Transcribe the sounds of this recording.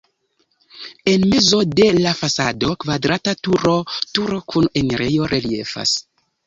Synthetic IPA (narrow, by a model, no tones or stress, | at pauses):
e̞nme̞zo̞de̞lafasado̞kvadɾatatuɾo̞tuɾo̞kʰuneneɾejo̞ɾelie̞̰fa̰s